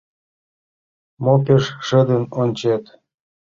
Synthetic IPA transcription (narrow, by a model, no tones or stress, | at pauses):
mopeʃʒə̆d̪ənonʲt͡ɕet̪